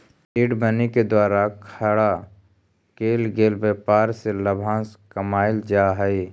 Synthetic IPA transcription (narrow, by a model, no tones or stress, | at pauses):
iːɖbəneked̪waːɾakʰəɽa | keːlɡeːlbeːpaːɾseləbʱãːskəmaːɪld͡ʒaɦəi